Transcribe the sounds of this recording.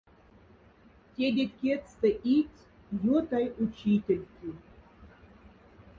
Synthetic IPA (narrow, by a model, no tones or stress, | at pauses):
tʲed̪ʲekʲet̪st̪əʔitʲ | jot̪ajut͡ɕitʲelʲkʲi